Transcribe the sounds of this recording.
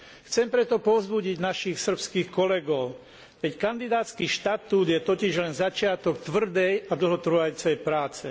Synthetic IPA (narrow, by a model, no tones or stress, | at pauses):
xt͡sɛmpɾɛt̪ɔpɔvzbuɟiɟnaʃixsr̩pskiːxkɔlɛɡɔʊ | kɛckand̪id̪aːt͡skiːʃt̪at̪uːd̪jɛt̪ɔciʒlɛnzat͡ʃɪat̪ɔkt̪ʋr̩d̪ɛjad̪l̩ɦɔt̪r̩ʋajuːt͡sɛjpɾaːt͡sɛ